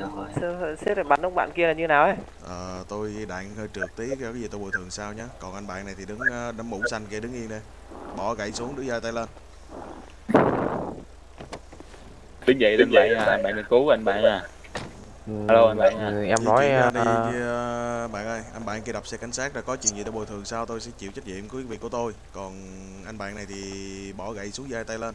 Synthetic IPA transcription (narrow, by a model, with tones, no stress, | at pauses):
sɛ˦˥t̚laː˨˩ɓa̰ː˧˨nʔə˧˦ŋ͡mɓa̰ː˧˨nki˧əlaː˨˩ɲɨ˧naː˨˩wʔa˨˦ | ʔəː˨˩t̪o˧jɗa̰ː˧˨ŋhəː˧jt͡ɕɨ˨˩ək̚t̪i˨˦kːkaː˨˦zi˨˩t̪o˧˩wt̪ʰɨ˨˩əŋsaː˧wɲaː˨˦kɔ˨˩nʔa˧nɓa̰ː˧˨na˨˩jt̪ʰi˨˩ɗɨ˨˦ŋː˨˧ɗə˨˦ŋɓṵ˧˥sa˧nki˧əɗɨ˨˦ŋʔi˧ənɗə˧j | ɓɔ˧˩ɣa̰˧˩jsu˨˦əŋɗɨ˨˦zəː˧t̪aː˧jləː˧n | ɗɨ˨˦ŋvə̰˧˨jɨ˧˦ɓa̰ː˧˨naː˨aː˨˧˩ɓa̰ː˧˨nə˧nku˨˦˧ʔa˧nɓa̰ː˧˨naː˨˩ | haː˧lo˧ʔa˧jnɓa̰ː˧˨nː˨˩˨ɛ˧mnɔ˨˦ja˧ɗi˧ɓa̰ː˧˨nʔɗə˧˩jʔa˧nɓa̰ː˧˨nki˧ɗa˨˩p̚sɛ˧˥ka˨˩jŋ̟saː˦˥k̚ɗa˨˩kɔ˨˦t͡ɕwḭ˧˨nzi˨˩t̪a˧˩ɓo̰˨˩t̪ʰɨ˨˩əŋsaː˧wt̪o˧jsɛ̰˧˥t͡ɕḭ˧˨wt͡ɕə˦˥k̚ɲḭ˧˨mkwi˨˦vi˨˩kːu˧˩ə˦t̪o˧j | kɔ˨˩n | ʔa˧jnɓa̰ː˧˨nːa˨˩jt̪ʰi˨˩ɓɔ˧˩ɣa̰˧˨jsu˨˦əŋzaː˧jt̪a˧jlə˧n